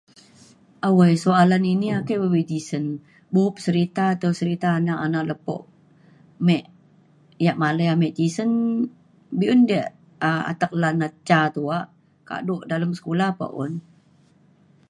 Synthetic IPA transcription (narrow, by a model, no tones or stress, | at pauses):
ʔawəjsoalaniniakəbəwed͡ʒisən | buʊp̚səɾit̪aːt̪awsəɾit̪aːnaʔanaʔləpɔ̰ʔ | mɛʔ | jaʔmaləjamɛʔd͡ʒisən | biʔundəʔ | a̰t̪ək̚lanat͡ʃat̪uaʔ | ka̰ʔdoʔdaləmsə̥kulapa̰ʔʊ̰n